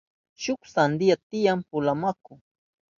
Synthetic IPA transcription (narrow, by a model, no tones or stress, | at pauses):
ʃʊksand̪ɪjat̪ɪjampʊlamakʊ